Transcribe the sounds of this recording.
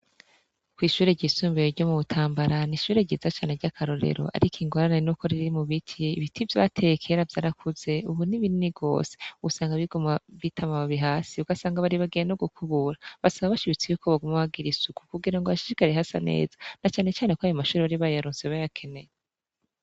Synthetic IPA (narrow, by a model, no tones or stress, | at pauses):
kwiːʃuːɾe̞ɟiːsuːmbijoɾɟo̞muβutʰaːmbaɾaniʃuːɾe̞ɟiːzat͡ʃaːneɾɟakʰaɾo̞ɾe̞̰ɾo̞̰ʔa̰ɾikʰiŋɡo̞ɾane̞nuko̞ɾiɾiɾimuβitʰiiβitʰivja̰tʰe̞kʰe̞ɾavjaːɾakʰuze̞uβuniβininiɡo̞̰ːse̥usaːŋɡaβiɡomaβitʰamaβaβiɦaːsiuɡasaːŋɡaβaɾiβaɡennoɡukʰuβuɾaβasaβaβaʃiβit͡sijukʰoβaɡumuhaɡiɾisuku̥kuɡiɾaŋɡoβaʃiʃikaɾehasanḛːzḁnat͡ʃaːne̞t͡ʃaːnekoajomaʃuːɾeβaɾiβajaɾuːnseβajakʰe̞ne̞je